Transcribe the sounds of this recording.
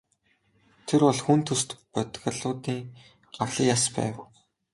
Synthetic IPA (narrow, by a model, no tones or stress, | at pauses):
t̪ʰerpɔɮxunt̪ʰɵst̪pœt̪ɣʲə̆ɮʊːt̪iːŋ | ɢaɮĭːjaspæ̰ːw